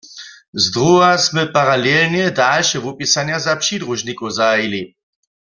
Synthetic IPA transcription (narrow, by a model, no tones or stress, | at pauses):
zd̪ʁuɦasmɛpaʁalɛlnjɛdalʃɛvupisanjazapʃid̪ʁuʒnikɔzaili